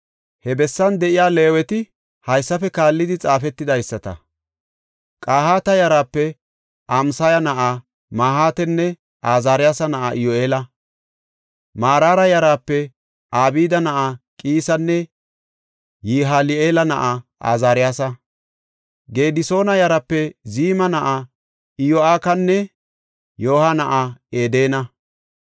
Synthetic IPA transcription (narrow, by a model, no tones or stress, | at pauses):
hɛbɛsːɐnd̪ɛʔɪjaːle̞ːwɛt̪ɪ | hɐjsːɐfɛkaːlːɪd̪ɪt͡sʼaːfɛt̪ːɪd̪ɐjsːɐt̪ɐ̰ | kʼaːhaːt̪ɐjɐɾaːpːɛ | ɐmsɐjɐnɐʔa | maːhaːt̪ɛnːɛ | ʔaːzaːɾɪjaːsɐnɐʔaʔɪjoʔeːlɐ | maːɾaːɾɐjɐɾaːpːɛ | ʔaːbiːd̪ɐnɐʔakʼiːsɐnːɛ | jiːɦaːlɪeːlɐnɐ̰ʔaa̰ːzaːɾɪjaːsɐ | ɡe̞ːd̪ɪso̞ːnɐjɐɾɐpːɛziːmɐnɐʔa | ɪjoaːkɐnːɛ | joːhɐnɐʔaeːd̪e̞ːnɐ